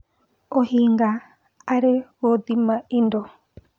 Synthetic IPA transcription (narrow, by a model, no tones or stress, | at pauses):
ohiŋɡa | aɾewod̪imãindo